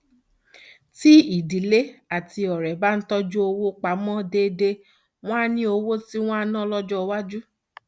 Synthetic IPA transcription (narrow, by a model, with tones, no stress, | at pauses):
ti˦i˨di˨le˦a˨ti˧ɔ˨ɾɛ˨ba˦n̩˦tɔ˦d͡ʒu˦o˧wo˦k͡pa˨˦mɔ̃˦de˧˦de˧ | w̃ɔ̃˦a˧˦nĩ˦o˧wo˦ti˦w̃ɔ̃˦a˧nɔ̃˦lɔ˦d͡ʒɔ˦˧wa˦d͡ʒu˦